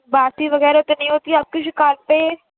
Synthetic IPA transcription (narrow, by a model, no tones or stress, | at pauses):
baːst̪iːʋəɡɛːɾt̪eːnəĩːɦoːt̪iːɐb̚kʊt͡ʃʰkaːlpeː